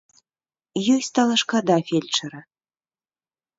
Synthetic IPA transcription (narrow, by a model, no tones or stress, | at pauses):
jɔjsʲt̪alˠɐʂkad̪afʲelʲt͡ʂɐɾɐ